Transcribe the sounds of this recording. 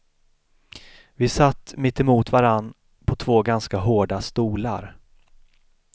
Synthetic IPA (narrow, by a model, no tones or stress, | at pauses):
vɪsat̪ːmɪt̪ːɛmuːt̪vaɾanː | pʰɔt̪ʰvoːɡanskaɦoːɖast̪uːla̰ɾ